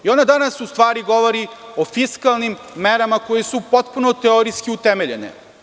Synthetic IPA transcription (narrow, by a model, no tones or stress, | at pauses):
io̞nad̪anasust̪ʋaːɾiɡo̞ʋo̞ɾio̞fiskalˠnimːeɾamako̞jesupo̞t̪punot̪eoɾiskiut̪emeʎḛnḛ